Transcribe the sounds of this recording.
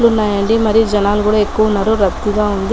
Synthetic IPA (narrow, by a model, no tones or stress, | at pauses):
lunajaɳɖimɐɾid͡ʒɐnaːlɡuɽɐekːunɐɾuɾɐt̪ːiɡ̪aond̪